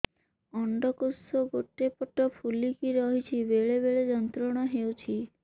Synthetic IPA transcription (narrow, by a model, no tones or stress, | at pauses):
ɔɳɖɔkosoɡoʈepɔʈɔpʰulikiɾɔɦit͡ʃʰibeɭeβeɭed͡ʒɔnt̪ɾɔɽ̃ɔɦewt͡ʃʰi